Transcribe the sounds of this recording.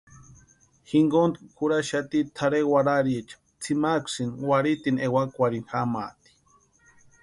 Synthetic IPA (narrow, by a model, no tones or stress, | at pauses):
xiŋɡond̪kkʰuɾaʃat̪it̪ʰaɾewaɾaɾiet͡ʃ | t͡sʰimakʷsinwaɾit̪inewakʷaɾinxama̰t̪i̥